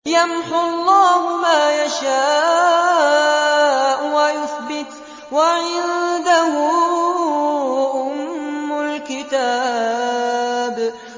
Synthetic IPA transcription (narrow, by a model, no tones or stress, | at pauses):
jamħʊlˤːɑːhʊmaːjaʃaː | ʔwajʊθbɪt̪ | waʕɪnd̪ahʊ | ʔʊmːʊlkɪt̪aː | b